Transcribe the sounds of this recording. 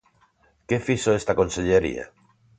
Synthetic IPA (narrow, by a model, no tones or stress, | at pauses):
kefisoest̪ako̞nseʎeɾḭa̰